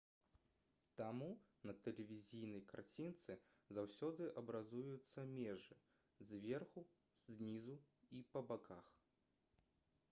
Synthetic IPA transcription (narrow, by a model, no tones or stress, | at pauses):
t̪amunɐt̪ɛlʲɛvʲizʲijn̪ɐjka̰rt͡sʲint̪sɨ | zawsʲɔd̪ɨʔɐbɾazujut̪sːɐmʲɛʐɨ | zʲvʲɛrxu | z̥ʲnʲizuipɐbakax